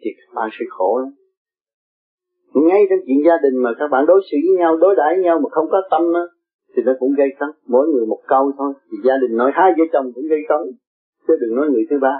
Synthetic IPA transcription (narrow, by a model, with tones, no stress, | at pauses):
t̪ʰi˨˩kaː˦˥k̚ɓa̰ː˧˨nsɨ̰˧˦xo˧˩la˨˦ | ŋa˧jt͡ɕɔ˧ŋ͡mt͡ɕwḭ˧˨ənzaː˧ɗï˨˩ŋ̟maː˨˩kaː˦˥k̚ɓa̰ː˧˨nɗo˨˦jsɨ̰˧˥ə˨˦ɲa˧wɗo˨˦jɗaː˧˩˦jɲa˧wmaː˨˩xə˧wŋ͡mkɔ˨˦t̪ə˧mnɔː˨˦ | t̪ʰi˨˩nɔ˨˦kʊ̰˧˥ŋ͡mɣə˧jk̪ə˨˦wmo̰˧˥˦jŋɨ˨˩əjmo˨˩t̚kə˧wt̪ʰo˧jt̪ʰi˨˩zaː˧ɗï˨˩ŋ̟nɔ˨˦jɦaː˧jzəː˧jt͡ɕə˨˩wŋ͡mkʊ̰˧˥ŋ͡mɣə˧jk̪ə˨˦n | sə˧˦ɗək̚nɔ˨˦jŋɨ˨˩əjt̪ʰɨ˨˦ɓaː˧